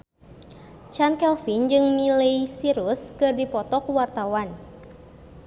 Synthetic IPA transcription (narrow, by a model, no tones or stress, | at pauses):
t͡ʃankɛlfind͡ʒɨŋmileisiɾuskɨrdipɔt̪ɔkwart̪awan